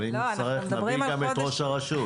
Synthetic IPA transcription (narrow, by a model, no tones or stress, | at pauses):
int͡saʁeχnaɡamet̪ʁoʃaʁaʃu